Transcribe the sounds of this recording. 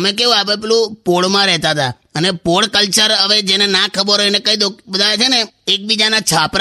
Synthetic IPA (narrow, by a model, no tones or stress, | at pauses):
mek̬eũapeplũpoɽmãɾɛɦt̪at̪a | ənepoɽkəlt͡ʃəɾəʋed͡ʒenenakʰəbəɾoenekə̃id̪okbəd̪ʱaʋet͡ʃʰeneek̚bid͡ʒanat͡ʃʰapɾ